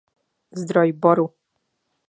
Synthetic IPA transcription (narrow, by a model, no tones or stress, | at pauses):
zd̪ɾɔjbɔɾu